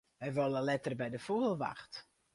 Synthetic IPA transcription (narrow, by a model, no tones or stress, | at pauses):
ʋɛjʋoləlɛtərbɛjdəfuɣəlˠʋa̰xt